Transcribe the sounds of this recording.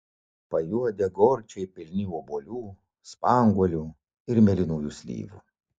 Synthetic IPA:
pɐjuɔd̪ʲɛɡɔɾʲt͡ʃʲɛɪpʲɪlʲnʲiuboːlʲuː | spɑŋɡuɔlʲu | ɪɾmʲɛlʲɪnuːjusʲlʲḭːʋṵ

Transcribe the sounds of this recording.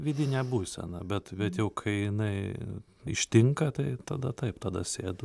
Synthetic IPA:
ʋʲiːd̪ʲɪnʲɛbuːsʲɛ̰nɐ̰bʲɛt̪bʲɛt̪jɛʊkʰɐɪjɪnɐɪ | ɪ̰ʃʲt̪ʲɪŋkɐt̪ɐɪt̪ɐd̪ɐt̪ɐɪpt̪ɐd̪ɐsʲeːd̪ʊ

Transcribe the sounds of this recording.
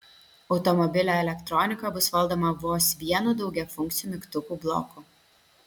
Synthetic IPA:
ɒʊt̪ɔmɔbʲɪlʲoɛlʲɛkt̪ɾɔnʲɪkɐbʊsʋɐlˠˑd̪oːmɐʋoːsʋʲiɛnud̪ɒʊɡʲɛfʊŋʲkt̪sʲɪjuːmʲɪkt̪ʊkuːblˠɔ̰ku

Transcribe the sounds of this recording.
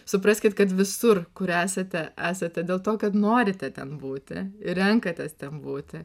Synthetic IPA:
sʊpɾɐsʲkʲɪt̪kɐt̪ʋʲɪsʊrkʊɾæːsɐt̪ʲɛʔæːsɐt̪ʲɛd̪ʲeːlˠt̪oːkɐt̪noːɾʲɪt̪ʲɛt̪ʲɛnbuːt̪ʲɪ̰ɪɾʲɛŋkɐt̪ʲɛst̪ʲɛmbuːt̪ʲɪ

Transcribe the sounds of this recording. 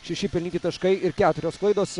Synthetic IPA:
ʃʲɛʃʲɪpʲɪlʲnʲiːt̪ʲɪt̪ɐʃkɐɪɪɾkʲæːt̪ʊɾʲoːsklˠɐɪd̪oːs

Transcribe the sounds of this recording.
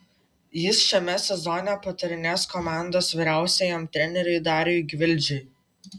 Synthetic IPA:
jɪsʃʲɛmʲɛsʲɛzɔnʲɛpɐt̪ɐɾʲɪnʲeskɔmɑˑnd̪oːsʋʲɪɾʲæˑʊsʲejɛmt̪ʲɾʲɛnʲɛɾʲɛɪd̪ɑːɾʲoɪɡʲʋʲɪlʲˑd͡ʒʲʊɪ

